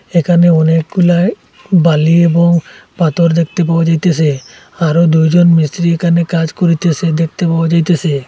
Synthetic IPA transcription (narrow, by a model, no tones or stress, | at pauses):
ekʰaneɔnek̚ɡulae | baliebɔŋpat̪ɔɾd̪ek̚t̪epawɔd͡ʒajt̪esʰe | aɾod̪ujd͡ʒɔnmist̪ɾiekʰanekad͡ʒkoɾit̪esed̪ek̚ʰt̪epawɔd͡ʒajt̪ese